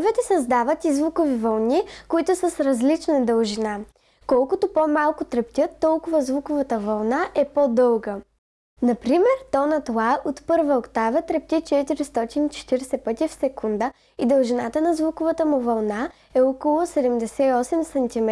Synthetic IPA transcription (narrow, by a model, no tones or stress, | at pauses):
vɛt̪ɛsɐzd̪avət̪izvukovivɐlˠnikoit̪ʊsəsɾɐzlit͡ʃnɛd̪əlˠʒina | kɔlˠkʊt̪opomalˠkʊt̪ɾɛpt̪ʲət̪ːɔlˠkʊvəzvukʊvət̪əvɐlˠnaʔɛpod̪ɤlˠɡə | nɐpɾimɛɾt̪ɔnət̪lˠaot̪pɤɾvəokt̪avət̪ɾɛp̚t̪ʲit͡ʃɛt̪iɾist̪ɔt̪init͡ʃɛ̥t̪iɾɛsɛpɤt̪ifsɛkund̪ə | id̪əlˠʒinat̪ənɐzvukʊvət̪əmuvɐlˠna | ɛɔkolˠʊsɛd̪ɛmd̪ɛsɛiɔsɛmsɐnt̪imɛ